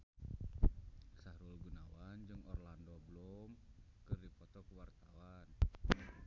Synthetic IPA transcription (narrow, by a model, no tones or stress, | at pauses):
saɾulɡunawand͡ʒɨŋɔrlandɔblɔm | kɨrdipɔt̪ɔkuwart̪awan